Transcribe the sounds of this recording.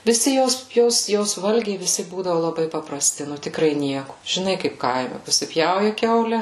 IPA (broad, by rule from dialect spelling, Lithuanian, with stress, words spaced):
ʋʲɪˈsʲɪ ˈjoːs ˈjoːs ˈjoːs ˈʋɐlʲɡʲɛɪ ʋʲɪˈsʲɪ ˈbuːdɐʋʊ lˠɐˈbɐɪ pɐprɐˈsʲtʲɪ ˈnʊ tʲɪkˈrɐɪ ˈnʲiɛkʊ ʒʲɪˈnɐɪ ˈkɐɪp ˈkɐɪmʲɛ pɐsʲɪˈpʲjɛʊjɛ ˈkʲɛʊlʲɛ